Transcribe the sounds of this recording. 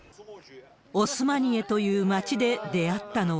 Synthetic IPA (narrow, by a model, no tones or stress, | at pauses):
o̞sɨmaɲ̟ie̞t̪o̞jɯ̟ːmat͡ɕid̪e̞d̪e̞at̪ːano̞